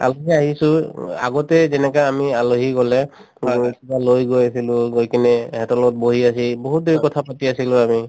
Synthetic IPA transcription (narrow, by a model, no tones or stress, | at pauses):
a̰loɦiaɦisʊ̃a̰ɡɔtɛzɛnɛkaamialoɦikɔlɛ | akibalojɡojasilʊɡojkinɛɦɛtɔlɔt̚boɦiasiboɦut̚dʱoɹikɔtʰapatiasilʊ̃ami